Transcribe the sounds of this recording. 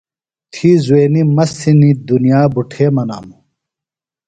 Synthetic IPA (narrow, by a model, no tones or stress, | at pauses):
t̪ʰiːzueːnimɐsinid̪unijaːbuʈʰeːmɐna̰ːmu